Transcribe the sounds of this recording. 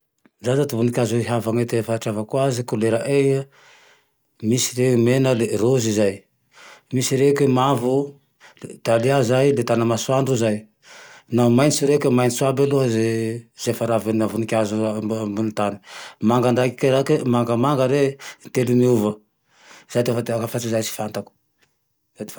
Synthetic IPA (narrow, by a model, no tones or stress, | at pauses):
zazat̪uvunikʲazeɦavaŋet̪efaaʈ͡ʂavakuazikuleɾaʔeja | misi̥ɾemenəlerozizaj | misiɾekemavu | t̪aliazajlet̪anəmasuaɳɖ͡ʐuzaj | namajnisuɾekemajnisuabaluɦazez̥efaɾavenavunikʲazumbunit̪ani̥maŋɡand̪akikeɾakemaŋɡəmaŋɡəɾent̪elumiuvə | z̥ajt̪efat̪akafat͡sizajsi̥fant̪aku̥ | zat̪i̥